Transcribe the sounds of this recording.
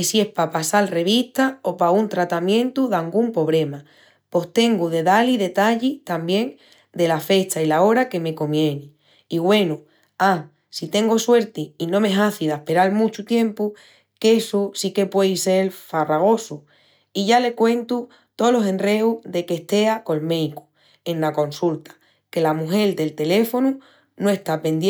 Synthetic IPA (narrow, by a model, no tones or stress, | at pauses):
esie̞hpapasalre̞βiht̪ao̞paunt̪ɾat̪amjẽ̞nt̪uðaŋɡumpo̞β̞ɾe̞ma | po̞st̪e̞ŋɡuðe̞ðaliðe̞t̪aʎit̪ambje̞ŋ | d̪e̞lafe̞t͡ʃailao̞ɾake̞me̞ko̞mje̞ne | iɣwe̞nu | a | sit̪e̞ŋɡo̞swe̞ɾt̪iinõ̞me̞ɦaθiðahpe̞ɾalmũt͡ʃut̪jẽ̞mpu | kesusike̞pwe̞jse̞lfaraɣ̞o̞su | iʝalekwẽ̞nt̪u | t̪o̞lo̞sẽ̞nre̞uðe̞ke̞ht̪e̞ako̞lme̞jku̥ | enlako̞nsult̪ḁ | ke̞lamuɦe̞ld̪e̞lt̪e̞le̞fo̞nu | noe̞ht̪ape̞nd̪